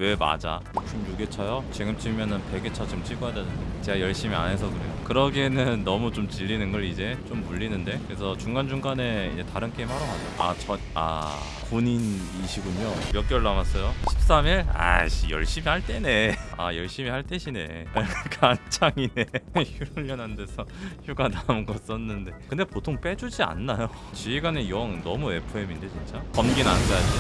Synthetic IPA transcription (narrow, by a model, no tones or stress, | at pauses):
we̞ma̰d͡ʑa̰ | t͡ɕ͈ʰomjuɡe̞t͡ɕʰajot͡ɕiɡɯmt͡ɕʰimjʌnɯnpeɡe̞t͡ɕʰʌt͡ɕiɯmt͡ɕʰiɡuɦadanɯnet͡ɕe̞ɡajʌɭɕ͈imia̰nɦe̞s̬ʰʌkɯɾe̞̰jokɯɾʌɡenɯnːʌmut͡ɕomt͡ɕiʎːinɯnɡʌɾid͡ʑe̞t͡ɕomːuʎːinɯnde̞kɯɾes̬ʰʌt͡ɕuŋɡand͡ʑuŋɡane̞ḭd͡ʑe̞taɾɯnk͈eimaɾʌad͡ʑoa̰t͡ɕʌna̰ | koɲin | iɕʰiɡuɲojʌk͈jʌɭːamas͈ʌjoɕʰi̥p̚s͈amiɭa̰ɕijʌ̰ɭɕ͈imihaɭt͈e̞ne̞a̰jʌɭɕ͈imihaɭt͈e̞ɕʰine̞kʰant͡ɕʰaŋine̞çuɾɯʎjʌnɦande̞sʰʌçjuɡanamɯnɡʌs͈ʌnːɯnde̞kɯnde̞potʰoŋp͈e̞d͡ʑud͡ʑia̰nːajo | t͡ɕiiɡanejʌŋnʌmue̞pʰoeminde̞t͡ɕint͡ɕ͈akʌmɡina̰nnɡajad͡ʑi